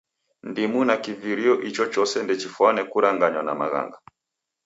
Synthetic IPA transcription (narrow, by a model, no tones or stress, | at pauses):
ndimunakiviɾiɔʔit͡ʃɔt͡ʃɔsɛndɛt͡ʃifwanɛkuɾaŋɡaɲwana̰ma̰ɣa̰ŋɡa